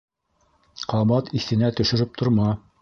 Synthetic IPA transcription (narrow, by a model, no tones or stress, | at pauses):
qɑmɑt̪iθɘ̆næt̪ɵ̆ʃɘ̆ɾɘp̚t̪ʰŏɾmɑ